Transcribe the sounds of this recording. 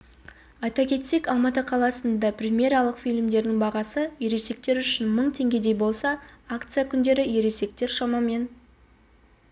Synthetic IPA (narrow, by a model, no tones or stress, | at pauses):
ɑjt̪ɑkʲʰe̞t̪se̞kɑlˠmɑt̪əqʰɑlˠɑsənd̪ɑprʲemʲjeɾɑlˠəqfijlʲɪmd̪e̞ɾd̪ɪŋbɑʁɑsəje̞ɾese̞k̚t̪e̞ɾʏʃɪnməɴt̪ʰe̞ŋɡʲe̞d̪e̞jbo̞lˠsɑakt̪sɨjakʲʰʏnd̪e̞ɾɪje̞ɾe̞se̞k̚t̪e̞ɾʃɑmɑme̞n